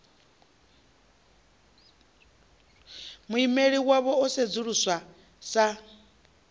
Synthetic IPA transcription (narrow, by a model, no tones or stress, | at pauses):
muimeɺiwaβɔɔsed͡zuɺuswa | sa